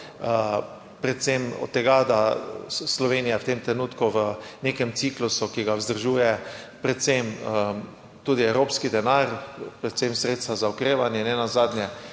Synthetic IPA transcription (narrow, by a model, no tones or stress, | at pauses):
ə | pɾɛt̪semɔ̰t̪ːɛɡad̪aslɔʋeːnijawt̪emt̪ɾɛnuːt̪kuʋənekɛmt̪siklusukiɡawzd̪əɾʒuːjɛpɾɛt̪semə | t̪uːd̪iɛwɾoːpskid̪ɛnaɾpɾɛt̪semsɾeːt̪st̪ʋazaɔkɾeːʋanjɛnɛnazaːd̪njɛ